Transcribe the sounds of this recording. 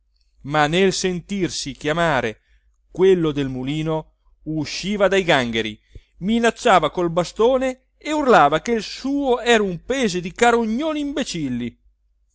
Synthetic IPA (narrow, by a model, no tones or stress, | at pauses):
manelsent̪irsikjamaːɾe | kwelːod̪elmuliːno | uʃːiːvad̪ajɡaŋɡeɾḭ | minat͡ʃːaːvakolbast̪oːneː | urlaːvakelsuːoɛːɾaumpɛːzed̪ikaɾoɲːoːniimbet͡ʃilːi